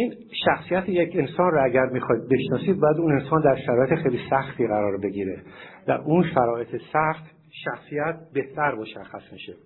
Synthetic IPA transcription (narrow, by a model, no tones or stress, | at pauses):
ʔiːn | ʃæxsijæt̪ʰejecʰe̞nsɒːnrɔæɟæɾmixɒjd̪̚beʃnɒːsiːd̪̚bɒːjæd̪une̞nsɒːnd̪æɾʃæɾɒːjeexejlisæxt̪ʰiːɣæɾɒːɾbe̞ɡiːɾed̪̥æ̰ɾunʃæɾɒːet̪ʰesæxt̪ | ʃæxsiːjæt̪̚ʰbe̞ht̪ʰæɾmoʃæxːæsmiʃe